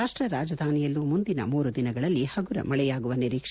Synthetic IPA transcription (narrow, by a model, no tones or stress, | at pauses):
aːʂʈɾɐɾaːd͡ʒɐd̪ʱaːnijɐlːumund̪inɐ̰muːɾud̪inɐɡɐɭɐlːihɐɡuɾɐ̰mɐɭɛjaːɡuʋɐniɾiːkʂ